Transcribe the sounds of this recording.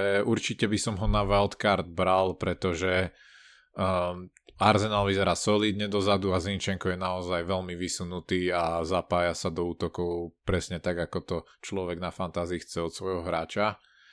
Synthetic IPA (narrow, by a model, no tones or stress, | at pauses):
ɛuɾt͡ʃicɛbisɔmɦɔnaʋɛlt̪kaɾd̪̚bɾalpɾɛt̪ɔʒɛ | aɾzɛnaːlʋizɛɾaːsɔliːd̪ɲɛd̪ɔzad̪uazint͡ʃɛŋkɔjɛnaɔzajʋɛʎmiʋisunut̪iːazapaːjasad̪ɔuːt̪ɔkɔʊpɾɛsɲɛt̪aɡakɔt̪ɔ | t͡ʃlɔʋɛɡnafant̪aːziːxt͡sɛɔt̪sʋɔjɦɔɦɾaːt͡ʃa